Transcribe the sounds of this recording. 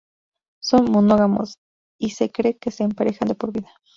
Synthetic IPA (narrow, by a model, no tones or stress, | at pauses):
sonmonoɣamo̰s | isekɾekeseːmpaɾexand̪epoɾbiðḁ